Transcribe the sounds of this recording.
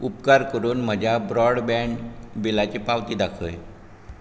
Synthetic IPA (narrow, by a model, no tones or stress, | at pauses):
upkaɾkəɾuːnm̤əd͡ʑʱjabɾɔɽbɛ̃ɳbilat͡ɕiːpaʋt̪iːd̪akʰəːj